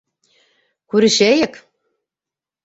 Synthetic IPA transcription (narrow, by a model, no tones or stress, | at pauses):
kʉɾɘ̆ʃæjɘk